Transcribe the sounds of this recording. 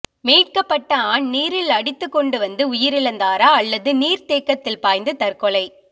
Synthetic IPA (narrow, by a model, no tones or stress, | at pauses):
meːʈ̚kɐpːɐʈːɐaːɳniːɾɪlɐɽɪt̪ːɯkːɔɳɖɯʋɐnd̪ɯʊjɪɾɪlɐnd̪aːɾaːɐlːɐðɯniːɾt̪eːkːɐt̪ːɪlpaːjnd̪ɯt̪ɐɾkɔɭɐɪ